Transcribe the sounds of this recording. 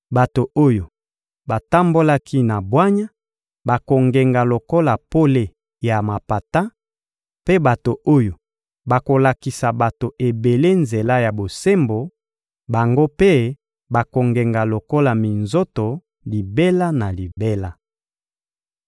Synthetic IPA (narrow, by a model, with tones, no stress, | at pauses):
ba˨to˨o˦jo˨ | ba˨ta˦mbo˦la˦kʰi˦na˨bwa˦ɲa˦ | ba˨ko˨ŋɡe˨ŋɡa˨lo˨ko˦la˨po˦le˨ | ja˨ma˨pa˨ta˦ | pe˦ba˨to˨ʔo˦jo˨ | ba˨ko˨la˨ki˨sa˨ba˨to˨ʔe˨be˨le˦nze˨la˦ja˨bo˨se˦mbo˨ | ba˨ŋɡo˦pe˦ | ba˨ko˨ŋɡe˨ŋɡa˨lo˨ko˦la˨mi˨nzo˦to˨ | li˨be˦la˦na˨li˨be˦la˦